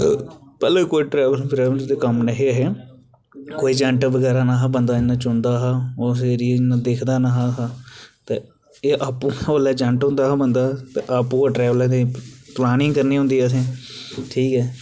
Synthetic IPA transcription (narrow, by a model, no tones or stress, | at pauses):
pɛːleːkoːiːʈɾɛːʋəlbɾɛːʋəld̪eːkəmnəɦeəɦeː | koːiːd͡ʒə̃ɳʈbəɡɛːɾaːnaːɦabənd̪aːɪnːãːt͡ʃʊɳd̪aːɦaːoːseɾiːnaːd̪ekʰd̪aːnaːɦaːɦat̪eː | eːʔaːpːũːolɛːd͡ʒə̃ɳʈɦʊ̃nd̪aːɦabənd̪aːt̪ḛʔaːpũːaːʈɾɛːʋəlẽd̪eːplaːnɪ̃ːŋkəɾniːɦʊ̃nd̪iːɛːt̪̬ʰẽːʈʰiːkɛː